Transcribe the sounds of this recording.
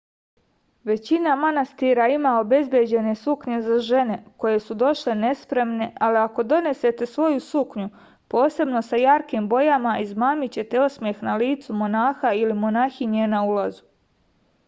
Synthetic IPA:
ʋe̞t͡ɕinamanast̪iɾaimao̞be̞zbje̞d͡ʑe̞ne̞sukɲe̞zaʒe̞ne̞ko̞je̞sud̪o̞ʃle̞ne̞spɾe̞mne̞ʔaliako̞d̪o̞ne̞se̞t̪e̞sʋo̞jusukɲu | po̞ːse̞bno̞sajaɾkimbo̞jamaizmaːmit͡ɕe̞t̪e̞osmje̞xnaliːt̪sumo̞naːxailimo̞naːxiɲenaulazu

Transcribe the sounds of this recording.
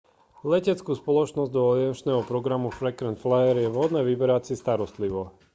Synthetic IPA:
lɛcɛt͡skuːspɔlɔt͡ʃnɔzɟd̪ɔɔliɛnt͡ʃnɛːɦɔpɾɔɡɾamufɾɛkɾɛnt̪flajɛɾjɛvɦɔd̪nɛːʋibɛɾat͡sist̪aɾɔst̪liʋɔ

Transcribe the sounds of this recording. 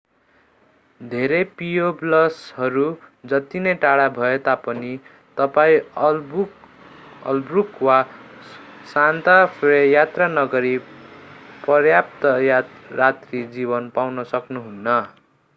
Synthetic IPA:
d̪ʱeɾepijoblʌshʌɾud͡zʌt̪inʌjʈaɽabʱʌet̪apʌni | t̪ʌpaĩ | ʌ̰lbrukwa | sant̪apʰejat̪ranʌɡʌɾi | pʌrjap̚t̪ʌjrat̪rid͡zibʌnpawnʌsʌknuɦunːʌ

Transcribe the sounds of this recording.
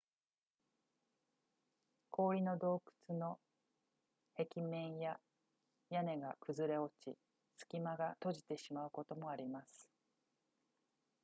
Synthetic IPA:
kʰo̞ːɾʲino̞d̪o̞ːkɯ̥t͡sɨno̞ | he̞kʲimẽ̞ɰ̃ja | jane̞ɡakɯ̟zɨɾe̞o̞t͡ɕḭ | sɨ̥kʲimaɡat̪o̞ʑi̥t̪e̞ɕimaɯ̟ko̞t̪o̞mo̞aɾʲimasɨ̥

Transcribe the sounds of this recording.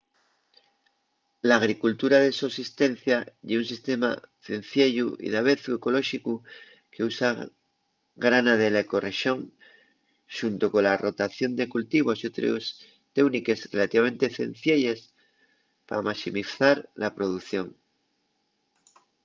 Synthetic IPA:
laːɣ̞ɾikult̪uɾað̞esusist̪e̞n̟θjaʝeunsist̪e̞ma̰θen̟θjeʝuḭðaβe̞θueko̞lo̞ʃiku | ke̞usa | ɣɾanaðe̞leko̞re̞ʃjo̞ŋ | ʃunt̪oko̞laro̞t̪aθjo̞nd̪e̞kult̪iβ̞o̞sjot̪ɾo̰s | t̪ewnike̞zrelat̪iβame̞nt̪eθḛn̟θjeʎes | pa̰ɾamasimiθaɾlapɾo̞ðuθjo̞ŋ

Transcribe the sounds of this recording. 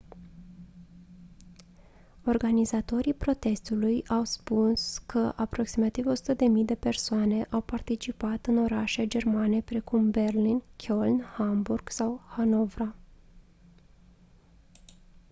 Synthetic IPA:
o̞rɡanizat̪o̞ɾipɾo̞t̪e̞st̪ulujawspunskʰəʔapɾo̞ksimat̪ivo̞su̥t̪əd̪e̞mijd̪e̞pe̞rsoane̞ʔawpart̪it͡ʃipat̪ɨno̞ɾaʃed͡ʒe̞rmane̞pɾe̞kumbe̞rlinkʲʰo̞lnhamburɡ̥sawhano̞vɾa

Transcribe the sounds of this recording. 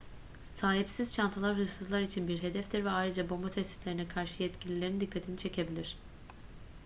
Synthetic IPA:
saːɦipsiz̥t͡ʃʰant̪ʰɯlˠaɾɦɯʃsɯzlˠaɾit͡ʃʰinbiɾɦe̞d̪ɛftd̪iɾvɛajɾɯd͡ʒabo̞mbat̪ʰɛst̪i̥t̪lʲe̞ɾinɛkʰaɾʃɯjɛt̪cʰilʲilʲeɾind̪ikʰːat̪ʰinit͡ʃʰe̞cʰe̞bilʲiɾ̝̥

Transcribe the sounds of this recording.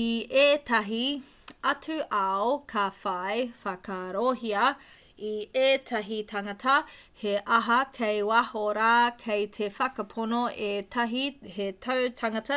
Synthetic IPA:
iʔeːtɐɦi | ɐtʉʔɐokʰɐfajfɐkɐɾoɦiɐ | ieːtʰɐɦitʰɐŋɐtʰɐ | heʔɐɦɐkʰejwahoɾaːkʰejtʰefɐkɐpʰonoʔetʰɐɦihetʰɐwtʰɐŋɐtɐ

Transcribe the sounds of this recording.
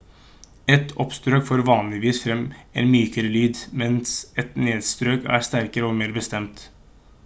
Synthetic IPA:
ɛt̪ʰɔpst̪ɾøːkfoːɾʋɑːnlɪʋiːsfɾɛmḛːnmyːkəɾəlyːd̪mɛnsɛt̪neːd̪st̪ɾøːkæ̰ːɾst̪æɾkəɾəɔmeːɾbəst̪ɛmt̪

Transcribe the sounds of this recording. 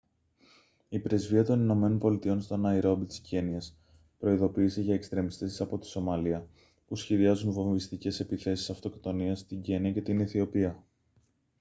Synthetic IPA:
ipɾe̞zviɐt̪o̞nino̞me̞no̞npo̞lit̪io̞nst̪o̞nɐiɾo̞bit̪i̥sceniɐs | pɾo̞iðo̞piːse̞ʝɐekst̪ɾe̞mist̪e̞si̥sɐpo̞t̪i̥so̞mɐliɐ | pusçe̞ðiɐzunvo̞mivist̪ice̞se̞piθe̞si̥sɐft̪o̞kt̪o̞niɐst̪iɲɟeniɐce̞t̪iniθio̞piɐ

